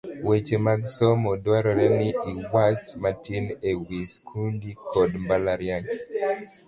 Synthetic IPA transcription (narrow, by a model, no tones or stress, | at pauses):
wet͡ʃemaɡsɔmɔdwaɾɔɾɛnɪiwat͡ʃmatinewiskʰundikʰɔdmbalaɾjaɲ